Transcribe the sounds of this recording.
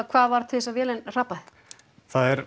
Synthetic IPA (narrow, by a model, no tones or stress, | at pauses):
kʰvaːðvaɾ̥t̪ʰɪðɪsavjɛːlɛnr̥apaθ | θaðɛɾ